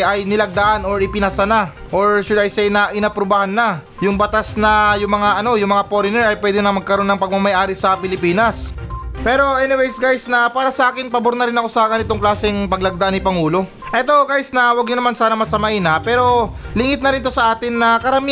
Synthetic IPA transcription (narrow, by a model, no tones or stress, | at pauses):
ʔɐjnɪlɐɡ̚d̪aʔano̞ɹɪpɪnasɐna | ʔo̞ɹʃʊd̪ɐjsɛjnɐʔɪnapɾobahanːa | jʊŋbɐt̪asnɐjʊŋmɐŋaʔɐno̞jʊŋmɐŋapoɾɪnɛɹɐjpwɛːd̪ɪnɐmɐɡ̚kɐɾo̞nːɐŋpɐɡ̚mɐmɐjʔaːɾɪsɐpɪlɪpiːnɐspɛːɾo̞ʔɛnɪwejsɡajsnɐpaːɾɐsɐʔaːkɪnpɐboɾnɐɾɪnɐko̞sɐɡɐnɪt̪o̞ŋklaːsɛŋpɐɡ̚lɐɡ̚d̪ɐʔanɪpɐŋuːlo̞ | ʔɛt̪o̞ɡajsnɐwɐɡ̚ɲʊnɐmansaːnɐmɐsɐmɐʔɪnapɛːɾo̞ | lɪŋɪt̪̚nɐɾɪnt̪o̞sɐʔaːt̪ɪnːɐkɐɾɐmi